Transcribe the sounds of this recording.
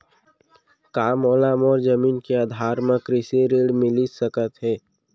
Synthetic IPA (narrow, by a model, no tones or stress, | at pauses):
kaːmɔːlaːmɔːɾd͡ʒəmiːnkeaːd̪ʱaːɾmə̃kɾɪseɾeːɽmɪlisəkət̪ɦɛː